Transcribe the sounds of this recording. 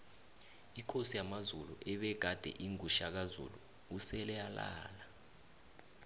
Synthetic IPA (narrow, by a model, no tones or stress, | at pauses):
ikʰosijamazuluʔɛɓɛɡ̥ʱad̥ʱɛ̰ʔiŋuʃak̬azṵlṵː | sɛlɛjala̰ːla